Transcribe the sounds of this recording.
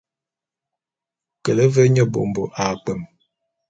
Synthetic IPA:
kə˨lə˦və˦ɲə˦˨bo̰˨m˨bo˨ʔa˨k͡pə˨m

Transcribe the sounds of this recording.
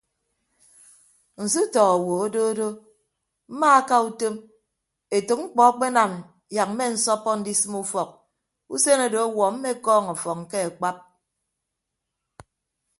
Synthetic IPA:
n̩˨s̬i˦tɔ˨ɣɔ˨wo˨o˦do˦o˦do˦ | m̩˦ma˦a˦ka˦u˦to˦m | e˨to˨k̚ŋ͡m̩˦k͡pɔ˨a˦k͡pe˦na˨m˨ | ja˨k̚m̩˦me˦n̩˦sɔ˦pːɔ˦n̩˦di˦sɨ˦mu˦fɔ˨k̚ | u˦se˦no˨do˨a˦wɔ˨m̩˦me˦kɔː˦ŋa˨fɔ˨kŋ̩˨ke˦e˨k͡pa˦p̚

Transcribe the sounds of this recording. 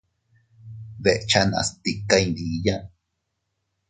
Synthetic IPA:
βe˨ʔt͡ʃa˦˧nã̰˧st̪i˧ka˦ĩ˧di˨jã˦

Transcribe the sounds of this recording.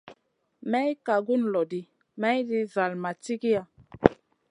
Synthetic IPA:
mɛ˦jka˨ɡu˦nlɔ˨di˦ | mɛ˦jdi˦za˨lma˨ti˦ɡi˦ja˨

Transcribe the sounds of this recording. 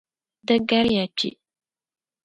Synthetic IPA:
dɨ˦ɡa˦ɾja˨t͡ʃḭ˨ʔ

